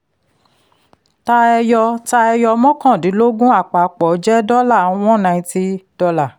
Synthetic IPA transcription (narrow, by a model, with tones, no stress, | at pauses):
ta˧ɛ˧jɔ˧ta˧ɛ˧jɔ˧mɔ̃˦kã˦˨dĩ˨˦lo˦ɡũ˦a˦˨k͡pa˨k͡pɔ˨˦d͡ʒɛ˦dɔ˦la˦˨˦w̃ɔ̃˦nã˧ĩ˧ti˦d̥ɔ˧la˨